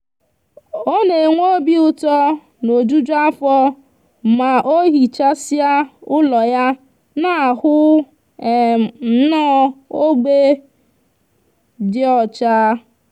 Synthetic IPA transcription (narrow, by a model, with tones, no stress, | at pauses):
o˦ne˨ŋʷo˦bi˦ʊ˦tɔ˦ | no˨d͡ʒu˦d͡ʒa˦fɔ˦ | ma˨ʔo˦ɦi˨t͡ʃa˦si˦a˦ʊ˦lɔ˨ja˦ | na˨hʊ˦˨ | n̩˦nɔ˦o˦ɡ͡be˦ | dɪ˦ɔ˨t͡ʃaː˦